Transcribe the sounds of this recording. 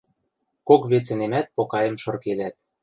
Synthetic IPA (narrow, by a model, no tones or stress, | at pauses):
kokβet͡sĕnemæt̪̚pokɑjə̆mʃɤ̆rked̪æt̪̚